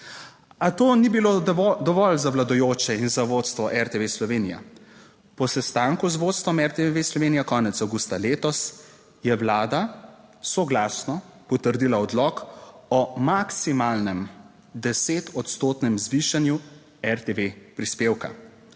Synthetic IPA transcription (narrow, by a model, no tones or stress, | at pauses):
at̪oːnibilod̪ɔʋɔlzawlad̪ɔjoːt͡ʃɛinzaʋot̪st̪ʋɔʔɛɾt̪eʋeslɔʋeːnija̰ | pɔsɛst̪aːŋkuzʋot̪st̪ʋɔmɛɾt̪eʋeslɔʋeːnijakɔːnɛt̪sawɡust̪aleːt̪ɔs | jɛwlaːd̪asɔɡlaːsnɔ | pɔt̪əɾd̪ilaɔd̪lɔkɔmaksimalnɛm | d̪ɛseːt̪ɔt̪st̪oːt̪nɛmzʋiʃanju | ɛɾt̪eʋepɾispeːwka̰